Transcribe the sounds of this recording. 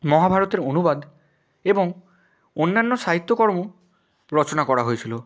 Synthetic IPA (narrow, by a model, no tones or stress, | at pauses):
mɔɦabʱaɾɔt̪eɾonubad̪ | ebɔŋ | onːanːɔsaɦit̪ːɔkɔɾmu | ɾɔt͡ʃonakɔɾaɦojtʰilo